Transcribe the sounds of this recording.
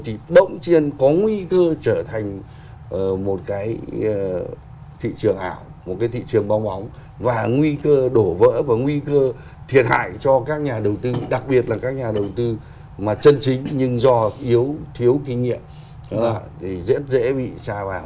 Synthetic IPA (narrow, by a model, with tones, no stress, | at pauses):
jt̪ʰi˨˩ɗə̰˧˥˨wŋ͡mt͡ɕi˧ənkɔ˨˦ŋwi˧kəː˧t͡ɕəː˧˩t̪ʰa˨˩jŋ̟ | ʔəː˨˩mo˨˩t̚kaː˨˦j | t̪ʰḭ˧˨t͡ɕɨ˨˩əŋʔa̰ː˧˩wmo˨˩kaː˨˦jt̪ʰḭ˧˨t͡ɕɨ˨˩əŋɓa˧wŋ͡mɓa˨˦wŋ͡m | vaː˨˩ŋwi˧kəː˧ɗo˧˩və̰ː˧˥vaː˨˩ŋwi˧kəː˧ | t̪ʰi˨˩ət̚ha̰ː˧˨jt͡ɕɔ˧kaː˦˥k̚ɲaː˨˩ɗə˨˩wt̪ɨ˧ɗa˨˩k̚ɓi˨˩ət̚laː˨˩kaː˦˥k̚ɲaː˨˩ɗə˨˩wt̪ɨ˧ | maː˨˩t͡ɕə˧nt͡ɕï˨˦ŋ̟ɲɨ˧ŋzɔ˧ʔi˨˦əwt̪ʰi˨˦əwkï˧ŋ̟ŋḭ˧˨əm˨ | t̪ʰi˨˩zɛ̰˧˥ət̚zḛ˧˥ɓḭ˧˨saː˧vaː˨˩w